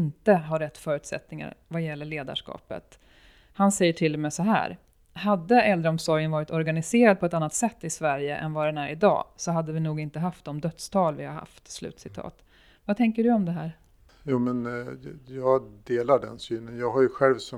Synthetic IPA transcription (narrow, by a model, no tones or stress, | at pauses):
ɪnt̪əɦaɾɛt̪ːfœːɾʉ̟ːt̪sɛ̰t̪nɪŋa̰ɾvajɛlːəɭeːd̪a̰ʂkɑ̰ːpə̰t̪ | hansɛjːəʈʰɪlːɔmɛsɔɦæ̰ːɾ | had̪ːəɛld̪ɾəɔmsɔɾjənvɑːɾɪt̪ɔɾɡanɪseːɾad̪̚pʰɔɛt̪anːat̪sɛt̪ːɪsvæɾjə̰ʔɛ̰nvad̪ɛnæɾɪd̪ɑ̰ːsɔɦad̪ːəvɪnuːɡɪnt̪əɦaft̪̚d̪ɔmd̪œt̪st̪ʰɑːlvɪhaɾha̰ft̪slʉ̟̰ːt̪sɪt̪ʰɑ̰ːt̪ | vat̪ʰɛŋkəɖɵɔmd̪ɛɦæːɾ | juːmɛnjɑːɡd̪eːlaɖɛ̰nsyːnənjɑːɡɦajɵɧɛlvsɔ